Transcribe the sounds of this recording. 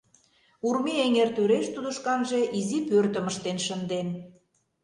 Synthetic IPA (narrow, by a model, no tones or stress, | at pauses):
urmieŋert̪øɾeʃt̪ud̪əʃkɑnʒe̽ʔizipørt̪ə̆məʃt̪enʃənd̪en